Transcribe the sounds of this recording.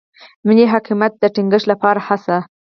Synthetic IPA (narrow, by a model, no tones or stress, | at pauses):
miniɦaqimat̪̚d̪əʈiŋɡəʂlapɑɾahasa